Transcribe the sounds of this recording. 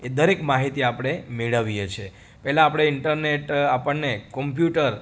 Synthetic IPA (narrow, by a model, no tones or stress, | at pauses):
ed̪əɾekmaɦit̪iapəɽ̃emeɭəʋijet͡ʃʰe | pɛɦlãːpɽ̃eɪɳʈəɾneʈapəɳːekɔmpjuʈəɾ